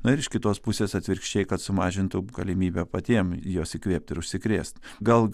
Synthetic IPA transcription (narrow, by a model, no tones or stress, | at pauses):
nʊɪɾɪʃkʲɪt̪oːspʊsʲeːsɐt̪ʲʋʲɪɾʲkʃʲt͡ʃʲɛɪkɐt̪sʊmɑːʒʲɪnt̪ʊɡɐlʲɪmʲiːbʲɛpɐt̪ʲiɛmjoːsɪkʋʲeːp̚t̪ʲɪɾʊʃʲsʲɪkɾʲḛːst̪ɡɐlˠ